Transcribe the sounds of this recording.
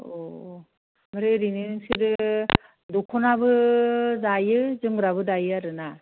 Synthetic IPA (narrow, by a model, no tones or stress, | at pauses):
o | maɾeɾininɯŋsidɯ | dɔkʰɔnabɯdajɯzɯŋɾaβɯdajɯaɾɯna